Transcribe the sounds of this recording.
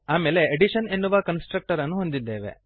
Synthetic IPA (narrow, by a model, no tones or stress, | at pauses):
aːme̞ːle̞ːɖiʃɐne̞nːuʋɐkɐnsʈɾɐk̚ʈɐɾɐnːuɦo̞nd̪id̪ːeːʋe̞̰